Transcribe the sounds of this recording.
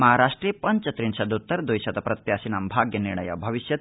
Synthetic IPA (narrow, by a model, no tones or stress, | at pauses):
mɐɦaɾaʂʈɾijpɐnt͡ʃɐt̪ɾinsɐd̪ut̪ːɐɾd̪ojɕɐt̪ɐpɾɐt̪jasinambʱaɡjɐniɾɳɐ̰jɐ̰bʱɐʋiɕjɐt̪